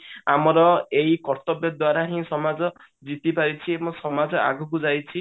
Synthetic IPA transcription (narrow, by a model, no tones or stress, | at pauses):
amɔɾɔeikɔɾt̪ɔbjɔd̪waɾaɦĩsɔmad͡ʒɔ | d͡ʒit̪ipaɾit͡ʃʰiebɔ̃sɔmad͡ʒɔa̰ɡʱɔkud͡ʒajt͡ʃʰi